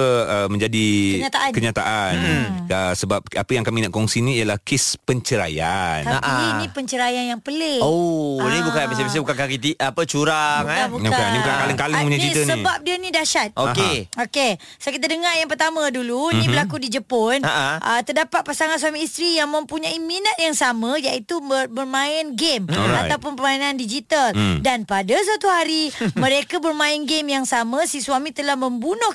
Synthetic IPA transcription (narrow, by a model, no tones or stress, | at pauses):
əəmə̃ɲd͡ʒadiəɲat̪aʔakəɲat̪aʔanəsəbap̚apəjaŋkaminaʔkɔŋsiniːjalahkespəɲt͡ʃəɾa̰ja̰nt̪aapinipəɲt͡ʃəɾajanjaŋpəleonibukanpəsabəs̬ebukankakit̪iapət͡ʃuɾabuakabukanibukankaləŋkalŋpuɲant͡ʃist̪ənsəbap̚diənidaʃat̪̚oɦeoke | sokit̪adəŋajaŋpərt̪amə̃dulunĩbəlakudid͡ʒəponaʔə̰t̪ərdapat̪̚pasaŋãns̬wamiist̪ɾijaŋmə̃mpuɲaiminat̪̚jaŋsamə̃jaʔit̪uməbərmãɪnɡem̰a̰awpʊnpəmainandid͡ʒit̪aldanpadas̬at̪uɦaɾimə̃ɾekabərmãɪnɡemjaŋsamə̃siswamĩt̪əlahməmbunʊh